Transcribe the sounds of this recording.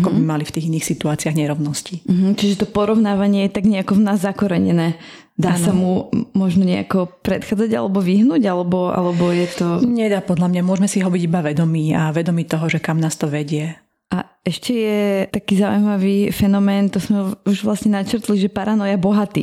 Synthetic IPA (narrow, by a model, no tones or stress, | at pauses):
akɔbimalift̪iːɣiniːxsit̪uaːt͡siaɣɲɛɾɔʊnɔsciɦm̩t͡ʃiʒɛt̪ɔpɔɾɔʊnaːʋaɲɪɛjɛt̪aɡɲɛakɔʋnaːzːakɔɾɛɲɛ̰nɛː | d̪aːsamumɔʒnɔɲɛa̰kɔpɾɛt̪xaːd͡zaɟa̰lɛbɔʋiɦnuːɟalɛbɔʔa̰lɛbɔjɛt̪ɔɲɛd̪aːpɔd̪lamɲamʊɔʒmɛsiɦɔbiɟibaʋɛd̪ɔmiːaʋɛd̪ɔmiːt̪ɔɦɔʒɛkamnaːst̪ɔʋɛɟɪɛ | ʔa | ɛʃcɛjɛt̪akiːzaṵjmaʋifɛnɔmɛːnt̪ɔzmɛuʒʋlasɲɛnat͡ʃɾt̪liʒɛpaɾanɔjabɔɦat̪ḭː